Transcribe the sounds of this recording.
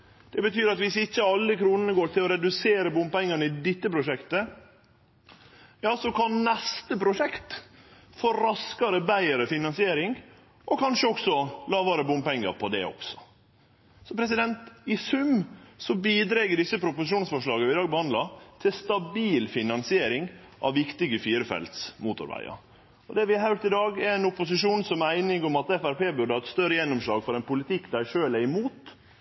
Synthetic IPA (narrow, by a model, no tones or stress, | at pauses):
d̪̥ɛbət̪ʰyːɾɑt̪ʋɪsɪçːəɑlːəkʰɾuːnənəɡoːɾt̪ʰɪlɔɾɛd̪ʉseːɾəbʊmpɛŋːɑnəɪd̪ɪt̪ːəpɾʊʂɛkt̪ə | jɑːsɔkʰɑnnɛst̪əpʰɾʊʂɛkt̪ | fɔɾɑskɑɾəbæɪəɾəfɪnɑnsɪeːɾɪŋ | ʔɔkʰɑnʂəɔksɔlɑːʋɑɾəbʊmpɛŋːə̰ɾpʰɔd̪ɛ̰ɔ̰ksɔ̥ | sɔpʰɾɛs̬ɪd̪ɛnt̪ɪsʉmsɔbiːd̪ɾɛɡəɖɪsːəpʰɾʊpʊsɪʃuːnsfɔʂlɑːɡəʋɪd̪ɑːɡ̚bəhɑnd̪lɑt̪ʰɪlst̪ɑbiːlfɪnɑnsɪeːɾɪŋ | ʔɑ̰ʋːɪkt̪ɪɡəfiːɾəfɛ̰lt̪smuːt̪ʊ̰ɾʋæ̰ɪɑ̰ɾ | ɔd̪ɛʋɪɑhæʉɾt̪ɪd̪ɑːɡɛɾɛɪnʊpʊs̬ɪʂuːnsɔmæɪnɪɡɔmɑt̪ɛfæɾpeːbʉɖəhɑɾɛt̪st̪œɾəjɛnːɔmʂlɑːɡfɔɾɛnpʊlɪt̪ɪkːd̪æɪʂøːlæɾɪmuːt̪